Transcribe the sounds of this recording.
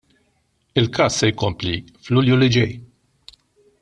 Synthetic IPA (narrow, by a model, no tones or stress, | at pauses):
ɪlkʰɐːsːɛjkʊmpli | flʊljulɪd͡ʒɛj